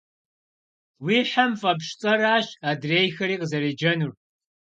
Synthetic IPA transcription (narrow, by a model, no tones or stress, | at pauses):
wiːħamfɐpʂt͡sʼɐɾaːɕaːdreːjxɐɾiːqəzɐɾed͡ʒɐnur